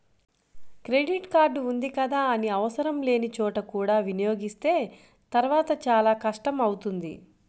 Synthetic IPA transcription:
kɾe̞ɖiʈkaːɾɖund̪ikɐd̪aːɐniɐʋɐsɐɾɐmle̞ːnit͡ʃɔːʈɐkuːɽaːʋinijo̞ːɡist̪e̞ː | t̪ɐɾʋaːt̪ɐt͡ʃaːlaːkɐʂʈɐmɐwut̪und̪ḭ

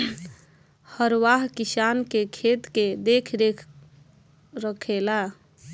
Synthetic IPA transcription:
həɾwaɦkisankekʰet̪ked̪ekʰɾe | ɾəkʰela

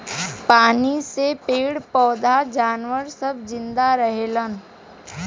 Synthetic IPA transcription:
paːnisepeːɽpɔːd̪ʱad͡ʒaːnʋəɾsəb̚ʱd͡ʒɪ̃nd̪aɾəɦeːlən

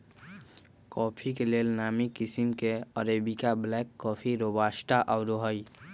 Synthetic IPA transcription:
kɔːpʰikeleːlnaːmikɪsimkeəɾeːbikablɛːkːɔːpʰiɾobaːsʈaʔɔʊɾoɦəi

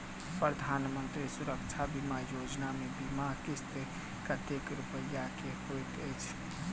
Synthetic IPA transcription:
pɾəd̪ʱanmənt̪ɾisuɾəkt͡ʃʰabimajod͡ʒnamebimakist̪e | kət̪ekɾupəjːakehojt̪əjt͡ʃʰ

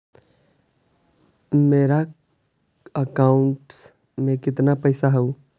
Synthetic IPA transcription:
meːɾa | əkaːʊɳʈ | mẽkɪt̪napəɪsaɦəu

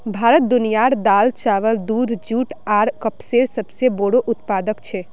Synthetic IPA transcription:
bʱaːɾət̪̚d̪ʊnijaɾd̪aːlt͡ʃaːʋəld̪ud̪ʱd͡ʒuːʈaːɾkəpseɾsəbseboɽoʔʊt̪paːd̪əkt͡ʃʰe

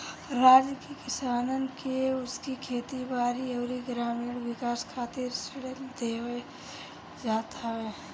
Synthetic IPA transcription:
ɾaːd͡ʒkikɪsaːnənkeʊskikʰeːt̪ibaːɾiɐːɾiɡɾaːmiːɽwɪkaːskʰaːt̪ɪɾseɽend̪eːwe | d͡ʒaːt̪ʰaɦe

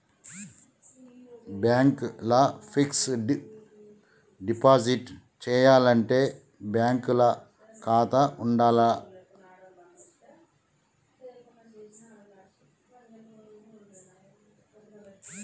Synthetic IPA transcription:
bjaːŋklɐfiksɖ | ɖipaːsiʈ | t͡ʃeːjaːlɐɳʈe | bjaːŋkulɐ | kʰaːt̪ɐʔuɳɖaːlɐ

